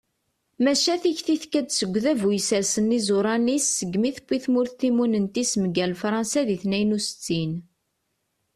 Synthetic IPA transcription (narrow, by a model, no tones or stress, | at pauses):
mæʃæθiçθiθkæd̪səɡʷːðævujsæɾsənːizʊɾˤɑnisːəɡːmiθəpːiθmʊɾθθimunənt̪isməɡælfɾˤɑnsæðiθnæjnusə̥t͡sːin